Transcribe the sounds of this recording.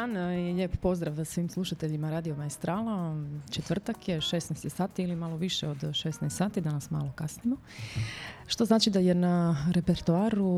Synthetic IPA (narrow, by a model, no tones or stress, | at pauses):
aːneʎeːppo̞zd̪ɾaʋsʋiːmslˠuʃat̪eʎimaɾaːd̪ijomaest̪ɾaːlat͡ʃet̪ʋr̩t̪akjeʃesnɛst̪jesaːt̪iːlimalo̞ʋiʃeo̞d̪ʃesnest̪saːt̪id̪anasma̰ːlo̞kasnimo | ʃt̪o̞znaːt͡ʃid̪ajenaɾe̞peɾt̪uaːɾu